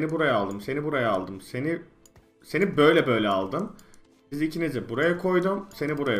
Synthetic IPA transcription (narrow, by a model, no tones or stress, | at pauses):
nibuɾajaːlˠd̪ɯmse̞nibuɾajaːlˠd̪ɯmse̞ni | se̞nibø̞jlʲɛbø̞jlʲɛalˠd̪ɯm | izicʰinizɛbuɾajakʰo̞jd̪umse̞nibuɾaja